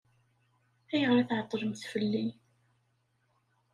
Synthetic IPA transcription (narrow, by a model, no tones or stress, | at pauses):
æjəʁɾaθʕət̪ˤːəɾəmθfəlːi